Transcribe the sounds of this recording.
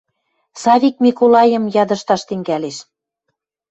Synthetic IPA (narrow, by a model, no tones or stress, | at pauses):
sɑβʲik̚mʲikolɑjə̆mjɑd̪ə̆ʃt̪ɑʃt̪ɘ̆ŋɡæleʃ